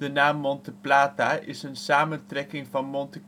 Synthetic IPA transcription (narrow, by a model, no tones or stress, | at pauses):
dənaːmːɔntəplaːtaʔɪsənsaːməntrɛkɪŋfɑnmɔntə